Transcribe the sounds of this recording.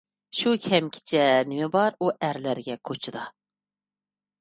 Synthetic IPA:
ʃukʲʰɛmkʲʰi̥t͡ʃʰɛnɪmɪbɑɾuʔæɾlæɾɡʲɛkʰot͡ʃʰɨd̪ɑ

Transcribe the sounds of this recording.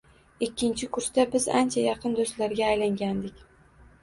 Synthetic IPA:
ɪkʲːɪnt͡ʃʰɪkʰʊɾst̪abɪza̰nt͡ʃʰajɑqʰɨnd̪ost̪laɾɡʲaːjlaŋɡʲand̪ɪkʲ

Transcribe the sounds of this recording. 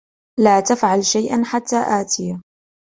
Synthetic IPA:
laːt̪afʕalʃajʔanħat̪ːaːʔaːt̪ʰɪja

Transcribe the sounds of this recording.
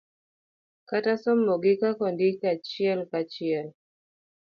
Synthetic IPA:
katasɔmːɔɡikakɔndikat͡ʃiɛlkat͡ʃiɛl

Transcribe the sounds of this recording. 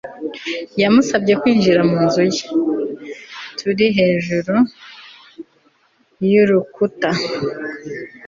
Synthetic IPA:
jamusabɟe̞kwiːnʒiɾamuːnzuje | tʰuɾiɦe̞ːʒuɾu | juɾukuta

